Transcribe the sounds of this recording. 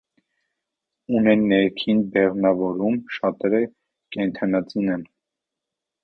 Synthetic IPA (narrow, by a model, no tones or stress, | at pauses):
unɛnːɛɾkʰinbɛʁnɑvɔɾumʃɑt̪ɛɾə | kɛnt̪ʰɑnɑt͡sinɛn